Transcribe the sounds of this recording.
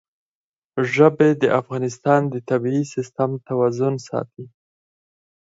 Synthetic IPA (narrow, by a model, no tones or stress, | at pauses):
ʒəbed̪əʔafɣɑnɪs̬t̪ɑnd̪ət̪abiisɪst̪amt̪awazʊnsɑ̰t̪i